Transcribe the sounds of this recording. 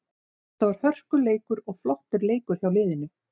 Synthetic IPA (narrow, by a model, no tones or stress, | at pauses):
θavaɾ̥hœr̥kʏleːjkʏɾɔɣflɔht̪ɪɾleːjkʏɾ̥çawlɪːðɪnːʏ